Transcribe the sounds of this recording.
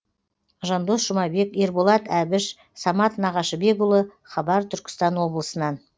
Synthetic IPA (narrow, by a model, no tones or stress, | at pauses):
ʒɑnd̪o̞sʒ̥ʊmɑbe̞ke̞ɾbolˠɑt̪æbɪʃ | sɑmɑt̪nɑʁɑʃəbe̞ɡʊlˠə | χɑbɑɾt̪ʰʏɾkʲɪ̥st̪ɑnwo̞blˠəsənɑn